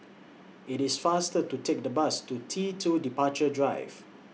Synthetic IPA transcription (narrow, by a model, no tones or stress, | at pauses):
ɪtɪsfastətutʰek̚dəbastutʰitʰudipat͡ʃədɹaɪv̥